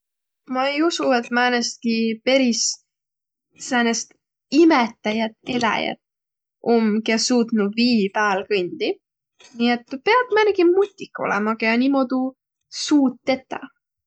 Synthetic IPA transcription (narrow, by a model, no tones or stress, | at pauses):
mɑejusue̞t̪ːmæːnest̪̚kipe̞ɾis | sæːnest̪ | imet̪ːˑɑjɑt̪elɑ̰jɑ̰t̪ | omkesuːt̪nuviːpæːlkɯnʲd̪̥i | nʲiet̪ːpe̞ɑb̥mæneɡimut̪ʲːikːˑo̞̰lḛmɑɡ̥ɑjɑnʲimo̞d̪̥u | suːt̪ːe̞t̪ːˑɑ̰